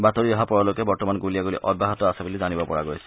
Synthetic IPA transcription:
batoɹiɔɦapɔɹɔlokɛbɔɹtɔmanɡulijaɡulḭʔɔbʱːaɦɔtɔasabulizanibɔpɔɹa̰ɡojsɛ̥

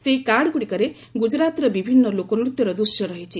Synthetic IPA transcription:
seikaɽkuɽikɔɾe | ɡud͡ʒɾat̪ɾɔbibʱinːɔlokɔnɾut̪jɔɾɔd̪usjɔɾɔɦit͡ʃʰi

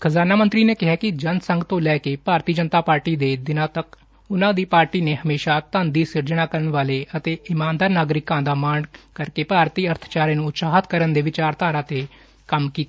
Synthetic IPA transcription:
kʰəzaːnaːmə̃nt̪ɾiːneːkɪɦaːkɪd͡ʒənsə̃ŋɡt̪õːlɛːkeːpaːɾt̪iːd͡ʒənt̪aːpaːɾʈiːd̪eːd̪ɪnãːt̪ək | ʊnãːd̪iːpaːɾʈiːneːɦəmeːʃaːt̪ənd̪iːsɪɾd͡ʒəɽ̃aːkəɾəɳʋaːleːət̪eːɪmaːnd̪aːɾnaːɡɾɪkːãːd̪aːmaːɳkəɾkeːpaːɾt̪iːəɾt̪ʰt͡ʃaːɾẽːnũːʊt̪saːɦət̪kəɾənd̪eːʋɪt͡ʃaːɾt̪aːɾãːt̪eː | kəmkiːt̪ː

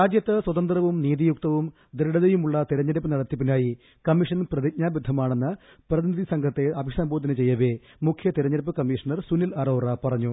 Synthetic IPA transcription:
ɾaːd͡ʑjɐt̪ːɨswɐðɐnd̪rɐʋumniːðijuk̚t̪ɐʋum | d̪ɾɐɽɐðejumuɭːɐt̪iɾɐɲːɐɾɐpːɐnɐɽɐt̪ːip̬ːinaːji | kɐmːiʂɐnprɐðiɲaːbud̪ʱːɐmaːɳe̞nːɨ | prɐðinid̪ʱisɐŋɡʱɐt̪ːeɐbʱiʂɐmboːd̪ɐnɐt͡ɕe̞jːɐʋe | mukʰjɐt̪iɾɐɲːɐɾɐpːɐkɐmːiːʂɐnɐrsunilɐroːrɐpɐrɐɲːu

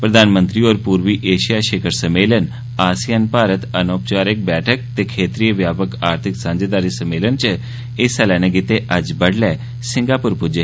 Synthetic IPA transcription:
pɾəd̪ʱaːnmə̃nt̪ɾiːoːɾpuːɾʋiːʔeːʃijaːʃeːkʰəɾsəmeːlən | aːsijanpaːɾət̪ənoːpt͡ʃaːɾɪk̚bɛːʈʰək̚t̪eːkʰeːt̪ɾiːəʋjaːpəkaːɾt̪ʰɪksãːɲd͡ʒeːd̪aːɾiːsəmeːlənt͡ʃ | ɪsɛlɛːneɡɪt̪eʔɐd͡ʒbəɽlɛː | sɪ̃ŋɡaːpʊɾpʊd͡ʒə

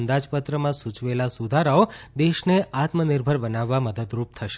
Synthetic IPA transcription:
nd̪ad͡ʒpət̪ɾəmãsut͡ʃʋelasud̪ʱaɾaod̪eʃneat̪mənɪɾbʱəɾbənaʋːaməd̪əd̪ɾup̚t̪ʰəʃe

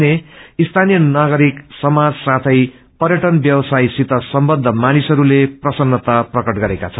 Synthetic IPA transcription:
neist̪ʰanijʌnaɡʌɾiksʌmad͡zsat̪ʰʌj | pʌrjʌʈʌnbjʌwʌsajsit̪ʌsʌmbʌd̪ʱːʌmanisʌɾuleprʌsʌnːʌt̪aprʌkʌʈɡʌɾekat͡sʰʌn

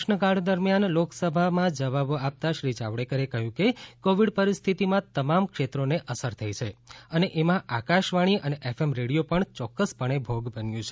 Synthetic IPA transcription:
ʃnəkaɽ̤d̪əɾmjanloksəbʱamãd͡ʒəʋaboap̚t̪aʃɾid͡ʒaʋɽekəɾekəɦjũkekoʋiɽpəɾist̪ʰit̪imãt̪əmamkʃet̪ɾoneʔəsəɾt̪ʰəit͡ʃʰeəneʔemãʔakaʃʋaɽ̃iʔəneʔefemɾeɽijopəɳt͡ʃɔkːəspəɳ̃ebʱoɡbənjũt͡ʃʰe

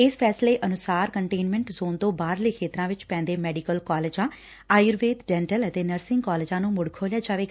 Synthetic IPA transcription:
ɪspʰɛːsleːʔənʊsaːɾkəɳʈeːnmɛ̃ɳʈzoːnt̪õːbaːɾleːkʰeːt̪ɾãːʋɪt͡ʃpɛ̃ːnd̪eːmɛːɖikəlkɔːleːd͡ʒãː | aːjɾʋeːd̪ɖɛ̃ːɳʈələt̪eːnəɾsɪ̃ŋɡkaːlɪːd͡ʒãːnũːmʊɽkʰoːljaːd͡ʒaːʋeːɡ

